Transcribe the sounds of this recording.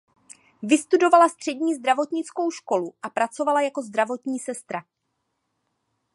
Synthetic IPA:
vɪst̪udo̞valast̪r̝̥ɛɟɲiːzd̪ɾavo̞t̪ɲɪt͡sko̞wʃko̞luʔapɾat͡so̞valajako̞zd̪ɾavo̞t̪ɲiːsɛst̪ɾa

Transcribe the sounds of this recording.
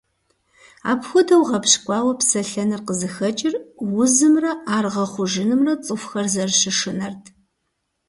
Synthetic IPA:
a̰ːpxʷʊdɐwʁɐpɕkʷʼɑːwɐpsɐɬɐnɨrqəzɨxɐt͡ʃʼɪrwʊzɨmrɐʔaːrʁɐχʷʊʒɪnɨmrɐt͡sʼɨfxɐrzɐrʃɪʂɨnɐrtʰ

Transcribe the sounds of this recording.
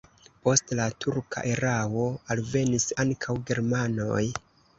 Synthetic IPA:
po̞stlatʰuɾkʰa̰ʔeɾawo̞alve̞nisaŋkʰawɡe̞ɾmanoj

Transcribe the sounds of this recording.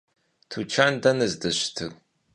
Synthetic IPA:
tʰut͡ʃʰandɐnɨzdɨɕtʰɨɣ

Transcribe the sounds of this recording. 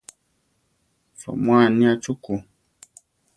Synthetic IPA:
fɔ̰mwanĩat͡ʃuko

